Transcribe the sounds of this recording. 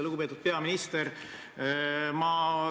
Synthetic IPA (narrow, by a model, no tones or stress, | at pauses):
eluɡupe̞ːt̪ud̪̚pe̞ɑminist̪eɾ | mɑ